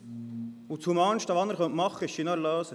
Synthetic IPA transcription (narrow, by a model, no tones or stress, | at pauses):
ut͡shumɑːnʃtɑʋɑnːəɾχœnt̪mɑχːəɪʃʃinɑɾløːsə